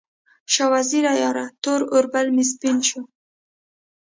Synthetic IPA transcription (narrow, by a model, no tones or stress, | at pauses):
ʃɑwaziɾajɑɾat̪oɾʊɾbalmɪs̬pint͡ʃu